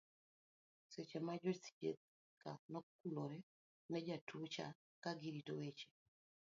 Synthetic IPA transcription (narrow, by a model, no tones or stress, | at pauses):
set͡ʃemad͡ʒɔsi̥t͡ʃḛt̪̚ | kanɔkuloɾɛ | nɛd͡ʒatut͡ʃa̰ | kaɡiɾitowet͡ʃe̥